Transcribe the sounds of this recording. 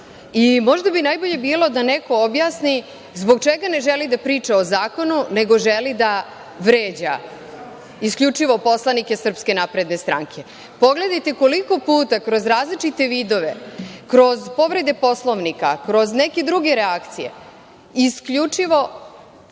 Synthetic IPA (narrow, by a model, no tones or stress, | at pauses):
imo̞ʒd̪abinajbo̞ʎe̞biːlo̞d̪ane̞ko̞objaːsni | zbo̞ɡ̚t͡ʃeɡane̞ʒelid̪apɾiːt͡ʃaozaːko̞nune̞ɡo̞ʒelid̪a | ʋɾeːd͡ʑa̰ | iskʎut͡ʃiʋo̞po̞slˠanike̞sr̩pske̞napɾe̞d̪ne̞st̪ɾʔa̰ŋkʰe̞ | po̞ɡle̞d̪ajt̪e̞ko̞liko̞puːt̪akɾo̞zɾaːzlit͡ʃit̪e̞ʋid̪o̞ʋe̞kɾo̞zpo̞ʋɾe̞d̪e̞po̞slˠo̞ʋnika̰kɾo̞zne̞ke̞d̪ɾuɡe̞ɾeakt̪sije̞̰ | iskʎut͡ʂiʋo̞